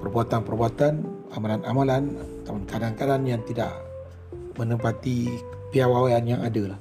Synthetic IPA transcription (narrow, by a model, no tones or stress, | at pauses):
pərbuat̪anpərbuat̪anamalanamalant̪aunkadaŋkadanjaŋt̪ida̰ʔ | mə̃nəmpat̪i | piawawaanjaŋadalah